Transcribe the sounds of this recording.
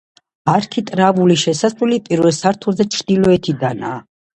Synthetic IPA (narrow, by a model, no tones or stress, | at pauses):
aɾkʰit̪ʼɾavuliʃɛsasulipʼiɾvɛlsaɾt̪ʰulzɛt͡ʃʰɾd̪ilɔɛt̪ʰid̪ana̰ː